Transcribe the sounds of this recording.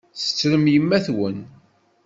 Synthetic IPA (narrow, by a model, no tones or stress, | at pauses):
sə̥t͡sːɾəmjəmːæθwən